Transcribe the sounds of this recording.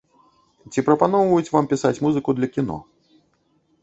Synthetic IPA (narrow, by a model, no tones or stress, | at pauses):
t͡sʲipɾɐpan̪ɔwvɐjut͡sʲvampʲisat͡sʲmuzɨkud̪lʲɐkʲinɔ̰